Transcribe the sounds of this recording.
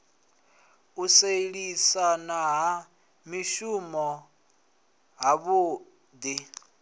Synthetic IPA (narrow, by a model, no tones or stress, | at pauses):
useɺisanaɦa | miʃumɔ | ɦaβuː | d̪i